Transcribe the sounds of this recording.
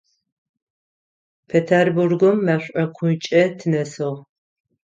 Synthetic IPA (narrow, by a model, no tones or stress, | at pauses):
pʰetʰerburɡʷʊmːɐɕʷʼɐkʷʰʊt͡ʃʼɐtʰɨnɐsɨʁ